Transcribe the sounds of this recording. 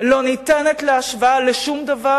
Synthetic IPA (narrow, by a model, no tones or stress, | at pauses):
lo̞nitenet̪leaʃvaaleʃumd̪ava